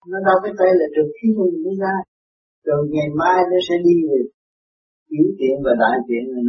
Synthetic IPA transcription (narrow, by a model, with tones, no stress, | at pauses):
nɔ˨˦ɗaː˧˩wkaː˨˦jt̪a˧˩jla˨˩t͡ɕɨ˨˩ək̚xi˧˦t̪ʰu˨˩ŋ˨i˧˦zaː˧˩j | ɗə˨˩ŋa˨˩jmaː˧jnɔ˨˦sɛ̰˧˥ɗi˧ve˨˩ | i˨˦əwt̪ḭ˧˨ənvaː˨˩ɗa̰ː˧˨jt̪ḭ˧˨əna˨˩n